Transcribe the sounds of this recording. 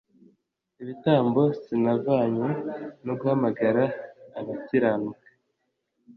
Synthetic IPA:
iβitaːmbo̞sinavaːɲunoɡuhamaɡaɾaːβaciɾanukḁ

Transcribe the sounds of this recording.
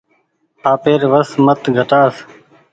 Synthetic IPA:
aːpeːɾʋəsmət̪ɡʱəʈaːs

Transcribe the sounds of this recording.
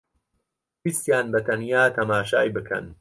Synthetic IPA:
bist̪jaːnbɐt̪ʰɐnjaːt̪ʰɐmaːʃaːjbɨkʰɐ̰n

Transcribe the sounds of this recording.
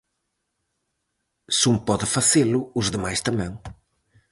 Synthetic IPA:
sũmpɔðɨfɐzelʊuzðɨmajst̪ɐmẽŋ̃

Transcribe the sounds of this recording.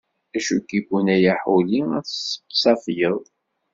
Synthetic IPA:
æʃukiɡunæjæħuliæθsə̥pːsˤɑfjəðˤ

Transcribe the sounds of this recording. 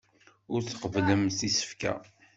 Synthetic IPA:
ʊɾθə̥qəvləmθisə̥fkæ̰

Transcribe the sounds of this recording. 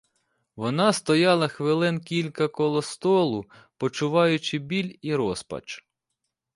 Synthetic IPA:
ʋɔnɑst̪ɔjɑlˠɐxʋɪlˠɪnkʲilʲkɐkɔlˠɔst̪ɔlˠʊ | pɔt͡ʃʊʋɑjʊt͡ʃɪbʲilʲiɾɔspɐ̰t͡ʃ

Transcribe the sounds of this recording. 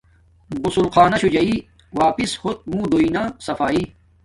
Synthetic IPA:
bʊsulqaːnɐɕud͡ʑɐi | waːpishot̪̚mũːd̪oinasɐfaːi

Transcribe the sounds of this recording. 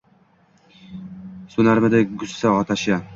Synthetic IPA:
sʊnaɾmɪd̪aɡʊsːaɒt̪ʰaʃa

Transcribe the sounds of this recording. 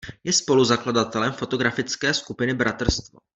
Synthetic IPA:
jɛspo̞luzakladat̪ɛlɛmfo̞t̪o̞ɡɾafɪt͡skɛːskupɪnɪbɾʔat̪r̩st̪vo̰

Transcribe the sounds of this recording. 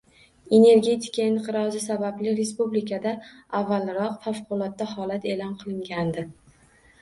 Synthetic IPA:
e̞ne̞ɾɡʲe̞t̪ʰɪ̥kʰʲaɪnqʰɨɾɒzɪsabablɪɾe̞spublɪkʰad̪aavːalɾɒqfafqʰʊlˠɒt̪̚ːahɒlat̪ʰe̞lɒnqʰɨlˠɪŋɡʲand̪ɪ

